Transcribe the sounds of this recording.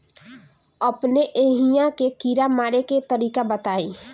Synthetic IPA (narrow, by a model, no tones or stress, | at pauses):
əpneʔeːɦijãkekiːɾamaːɾeket̪əɾiːkabət̪aːiː